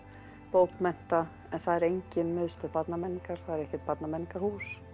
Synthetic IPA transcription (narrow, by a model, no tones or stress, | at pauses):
poːwkmɛn̥t̪a | ɛnθaðɛɾejɲcɪnmɪðst̪ʏpat̪namɛnːiŋkaɾ̥θaðɛɾɛhcɪt̪̚pat̪namɛnːiŋkahuːs